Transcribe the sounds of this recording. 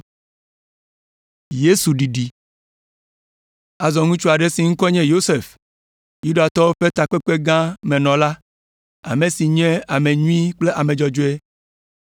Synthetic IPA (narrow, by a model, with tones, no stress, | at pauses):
je˦su˨ɖi˨ɖi˨ | a˨zɔ˨ŋũ˦t͡ʃu˦a˨ɖe˦si˨ŋ̩̃˦kɔ˦ɲɛ̃˦jo˦se˨f | ju˦ɖa˨t̪ɔ˦wo˦ɸe˦t̪a˨k͡pe˦k͡pe˦ɡã˦mẽ˨nɔ̃˨la˦ | a̰˨mẽ˨si˨ɲɛ̃˦a˨me˨ɲũ˦i˦k͡ple˦ʔa˨mẽ˨d͡ʒɔ˨d͡ʒo˦e˦